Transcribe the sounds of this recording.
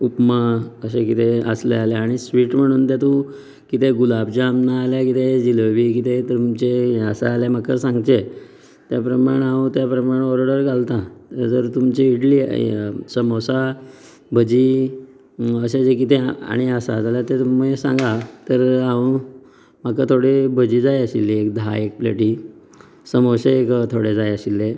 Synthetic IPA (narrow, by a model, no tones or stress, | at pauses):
upməəɕekit̪eə̰slealeaɽ̃isʋiːʈm̤əɽ̃uːnt̪jat̪ũ | kit̪eɡulabd͡ʑaːmnaːlakit̪ed͡ʑiləʋiːkit̪et̪umt͡ɕeəsaːljam̤akːəɾsãŋɡt̪e | t̪japɾəmaɽ̃aũt̪japɾəmaɽ̃eɔɾoɽəɾɡalt̪ãt̪əɾd͡zəɾt̪umt͡ɕeiɽliːsəmosa | bʱəd͡ʑiː | əɕed͡zekit̪ea̰ɽ̃iəsa̰d͡zaljat̪et̪uməsã̰ŋɡat̪əɾaũ | makːat̪ʰoɽebəd͡ʑiːd͡zajəɕilːeekd̪ʱa̰ek̚plə̰ʈiː | səmoɕekt̪ʰoɽed͡zajəɕilːe